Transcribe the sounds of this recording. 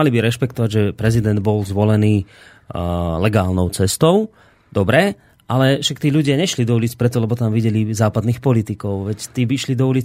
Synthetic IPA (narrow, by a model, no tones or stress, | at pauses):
alibiɾɛʃpɛkt̪ɔʋaɟʒɛpɾɛzid̪ɛnd̪bɔlzʋɔlɛniː | lɛɡaːlnɔʊt͡sɛst̪ɔʊ | d̪ɔbɾɛ | ʔalɛfʃakt̪iːʎuɟɪaɲɛʃlid̪ɔuliːt͡spɾɛt̪ɔlɛbɔt̪amʋiɟɛlizaːpad̪niːxpɔlit̪ikɔʊʋɛct̪iːbiʃlid̪ɔuliːt͡s